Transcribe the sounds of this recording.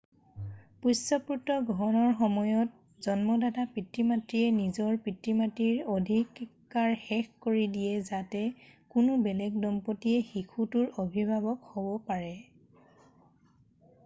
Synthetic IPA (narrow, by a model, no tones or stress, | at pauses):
pusɔpuɹtɔɡʱɔɔnɔɹxɔmɔjɔt̚ | z̥ɔnmɔdadapɹitːimatɹiɛnizɔɹpɹitːimatiɹodʱikː | aɹxɛxkoɹidijɛzatɛkʊnʊbɛlɛɡ̚dɔmpotiɛxikʰutʊɹobʱibʱabɔkhobɔpaɹɛ